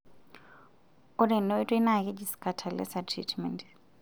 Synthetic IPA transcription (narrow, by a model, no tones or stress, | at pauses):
ʊrɪnɛɪtʼwenakʼɛd͡ʒisi̥kʼatʰalɛ̰satʰrḭtʰmɛnt